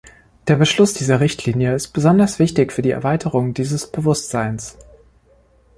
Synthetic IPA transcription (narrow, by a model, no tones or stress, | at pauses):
d̥eːɐbəʃlʊsd̥iːzɐʁɪçtʰliːnjəɪst̚b̥əzɔndɐsv̥ɪçtɪçfyːɐdiːɛ̰ɐvaɪtʰəʁʊŋdiːzəsb̥əvʊstz̥aɪns